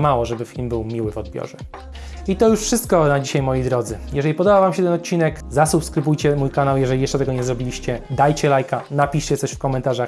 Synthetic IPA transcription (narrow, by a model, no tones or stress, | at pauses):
mawɔʐɛbɘfʲilmbɘwmʲiwɘvɔd̪̚bʲjɔ̰ʐɛ | it̪ɔjuʂfʂɘst̪̚kɔnad͡ʑiɕajmɔjid̪ɾɔd̪zɘjɛʐɛlʲipɔd̪ɔbavamɕɛt̪ɛnɔt̪̚t͡ɕːinɛkzasupskɾɘbujt͡ɕɛmujkanawjɛʐɛlʲijɛʂt͡ʂɛt̪ɛɡɔɲɛzɾɔbʲilʲiɕt͡ɕɛd̪ajt͡ɕɛlajkanapʲiʂt͡ɕɛt̪sɔɕfkɔmɛnt̪aʐax